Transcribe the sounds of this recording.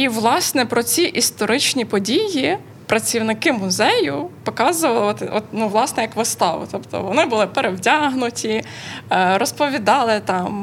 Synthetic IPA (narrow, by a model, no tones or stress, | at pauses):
iʋlˠɑsnɛpɾɔt͡sʲiʔist̪ɔɾɪt͡ʃnʲipɔdʲiji | pɾɐt͡sʲiwnɪkɪmʊzɛjʊpɔkɑzʊʋɐlˠɪɐt̪ɪʔɔt̪nuʋlˠɑsnɛjɐkʋɪst̪ɑʋʊ̰t̪ɔpt̪ɔ̰ʋɔnɪbʊlˠɪpeɾewtʲaɦnʊtʲi | ɾɔspɔʋʲid̪ɑlˠɪt̪ɑm